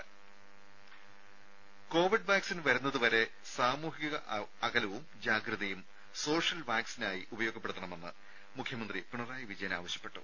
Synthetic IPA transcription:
ko̞ːʋiɖbaːksinʋɐɾunːɐðuʋɐɾe̞ | saːmuːɦiɣɐɣɐɐɣɐlɐʋumd͡ʑaːɡɾɨðɐjum | so̞ːʂɐlʋaːksinaːjiʔubɐjo̞ːɡɐpːe̞ɽut̪ːɐɳɐme̞nːɨ̰ | mukʰjɐmɐnd̪ripiɳɐraːjɐʋid͡ʑɐjɐna̰ːʋɐɕjɐ̥pːe̞ʈːṵ

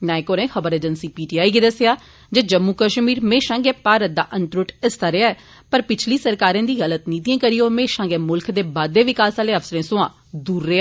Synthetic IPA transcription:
nɛ̃ːẽkoːɾẽːxəbəɾeːd͡ʒənsiːpiːʈiːaːiːɡed̪əsejaː | d͡ʒeːd͡ʒəmːuːkəʃmiːɾmẽːʃãːŋɡeːpaːɾət̪̚d̪aːʔənt̪ɾʊʈɪst̪aːɾɪaːɛː | pəɾpɪt͡ʃʰliːsəɾkaːɾẽːd̪iːɣələt̪niːt̪iãːkəɾiːoːmẽːʃãːŋɡeːmʊlkʰd̪eːbaːd̪ːeːʋɪkaːsaːleːəfsəɾẽːsʊãː | d̪uːɾːeːa

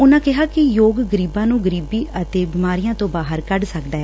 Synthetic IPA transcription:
ʊnãːkɪɦaːkɪjoːɡɡəɾiːbãːnũːɡəɾiːbiːʔət̪eːbɪmaːɾijãːt̪õːbaːɦəɾkəɖsəkd̪aːɛː

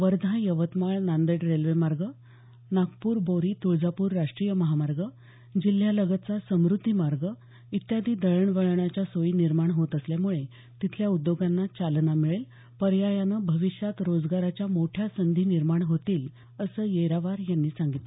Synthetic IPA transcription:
ʋəɾd̪ʱãjəʋət̪maɭnand̪eʈɾelʋemaɾɡə | nakpuːɾboɾiːt̪uɭd͡zapuːɾːaʂʈɾijəməɦamaɾɡə | d͡ʑil̤ːjaləɡət͡sasəmɾut̪ːimaɾɡə | it̪jad̪ʱiːd̪əɾəɳʋəɭɳat͡ɕjasojiːniɾmaɳɦot̪əsljamuɭe | t̪it̪ʰljaud̪joɡanːat͡ɕalnamiɭel | pəɾjajanəbʱəʋiɕjat̪ɾod͡zɡaɾat͡ɕjamoʈʰjasənd̪ʱiːniɾmaɳɦot̪iːl | əsəːjeɾaʋaɾjanːiːsãŋɡit̪lə

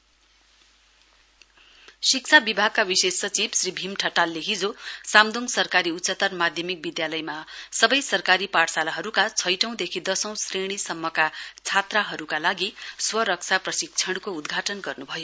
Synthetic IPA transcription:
sik̚t͡sʰabibʱaɡ̚kabisesʌt͡sibsribʱimʈʰʌʈalːeɦid͡zosamd̪uŋsʌrkaɾiutːsʌt̪ʌrmad̪ʱjʌmik̚bid̪jalʌjmasʌbʌjsʌrkaɾipaʈsalaɦʌɾukat͡sʰʌjʈʌ̃w̃d̪ekʰid̪ʌsʌ̃w̃sreɽ̃isʌmːʌkat͡sʰat̪raɦʌɾukalaɡiswʌɾʌksʰaprʌsik̚t͡sʰʌɽkoud̪ɡʱaʈʌnɡʌrnubʱʌjo

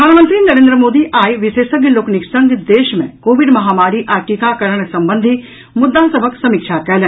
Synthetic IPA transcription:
əd̪ʱaːnmə̃nt̪ɾiːnɐɾẽːnd̪ɾəmoːd̪iʔaːiʋɪseːsəɡəloːkniksɐŋɡd̪eːʃmḛ̃koːʋɪɖmɐɦaːmaːɾiʔaːʈikakɐɾəɽ̃sɐ̃mbənd̪ʱi | mʊd̪ːasɐbʱəksɐmɪkʃʰakɛlẽ

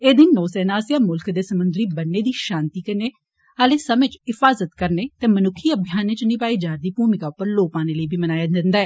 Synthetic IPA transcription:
eːd̪ɪnːoːsɛːnaːsjaːmʊlkd̪eːsəmʊnd̪ɾiːbənːeːd̪iːʃãːnt̪iːkəneː | əːleːsəmẽːt͡ʃɪfaːzət̪kəɾneːt̪eːmənʊkʰːiːəbʱɪjaːnẽːt͡ʃnɪpaːiːd͡ʒaːɾd̪iːpuːmɪkaːʊpːəɾloːpaːneːləiːbʱiːmənaːjaːd̪ɪnd̪aːɛː

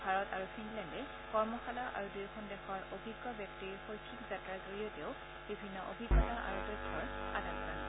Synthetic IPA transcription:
bʱaɹɔtaɹupʰinlɛndɛ | kɔɹmɔxalaʔa̰ɹudujxʰɔndɛxɔɹobʱiɡːɔbjɔk̚tixojkʰːikzatɹazoɹijɔteʊ | bibʱinːɔʔo̰bʱiɡːɔtaʔa̰ɹudɔtʰːɔɹa̰datkan

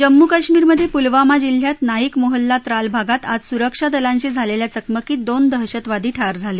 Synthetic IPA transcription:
d͡ʑəmːukaɕmiːɾməd̪ʱːjepulʋamad͡ʑil̤ːjat̪naikmoɦəlːat̪ɾalbʱaɡat̪a̰d͡zsuɾəkʂad̪əlãɲt͡ɕiːd͡zʱaleljat͡səkməkiːd̪ond̪əɦɕət̪ʋad̪iːʈʰaɾd͡zʱale

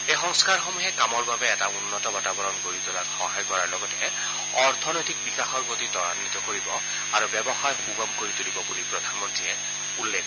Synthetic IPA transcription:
exɔŋskaɹxomuɦɛkamɔɹbabɛɛtaunːɔtɔbatabɔɹɔnkoɹit̪ɔlakxɔɦajkɔɹaɹlɔɡɔtɛ | ɔɹt̪ʰɔnɔjtik̚bikaxɔɹpot̪itɔɹanːit̪ɔkoɹibɔ | aɹubɛbɔxajxuɡɔmkoɹit̪ulibɔbulipɹɔd̪ʱanmɔntɹiɛ | ulːek

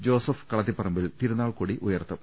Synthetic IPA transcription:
d͡ʑo̞ːsɐfkɐɭɐt̪ːipːɐrɐmbilt̪iɾunaːɭkuːɽiʔujɐrt̪ːɐm

